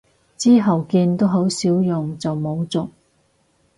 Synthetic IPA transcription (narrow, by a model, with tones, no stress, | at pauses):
t͡siː˥ɦɐ˨wkiː˧nt̪o˥wɦo˨˥wsiː˨˥wjʊ˨ŋt͡sɐ˨wmo˨˧wt͡sʊ˨k̚